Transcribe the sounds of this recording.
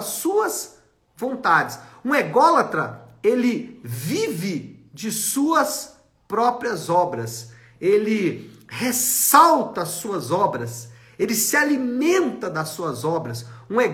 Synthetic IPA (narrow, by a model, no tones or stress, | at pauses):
ɐsuɐs | võnt̪ad͡ʒɪsũeɡɔlɐt̪ɾɐelɪvivɪd͡ʒɪsuɐs | pɾɔpɾiɐzɔbɾɐs | elɪhesawt̪ɐːsuɐzɔbɾɐs | elɪsɪalimẽnt̪ɐd̪ɐsuɐzɔbɾɐsũe